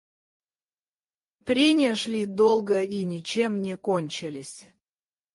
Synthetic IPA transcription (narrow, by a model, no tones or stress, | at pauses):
pɾʲenʲiəʂlʲid̪olˠɡəinʲɪt͡ɕemːnʲekonʲt͡ɕɪlʲɪsʲ